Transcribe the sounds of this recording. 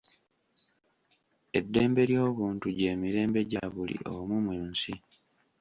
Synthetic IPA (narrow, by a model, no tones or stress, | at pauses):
e̞dːe̞ːmbe̞ɾjo̞ːβuːntuɟe̞ːmiɾe̞ːmbe̞ɟaβulḭʔo̰mumweːnsi